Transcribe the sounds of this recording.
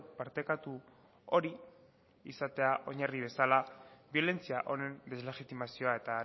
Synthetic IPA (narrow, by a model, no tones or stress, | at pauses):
paɾt̪e̞kat̪u | o̞ɾi | isat̪e̞aʔo̞ɲariβ̞e̞salabio̞le̞nt͡siaʔo̞ne̞nd̪e̞zle̞ɣit̪imasio̞ae̞t̪a